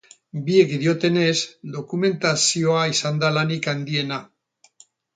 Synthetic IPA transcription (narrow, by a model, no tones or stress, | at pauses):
biekiðio̞t̪e̞ne̞zd̪o̞kume̞nt̪asioaisand̪alanikand̪ie̞na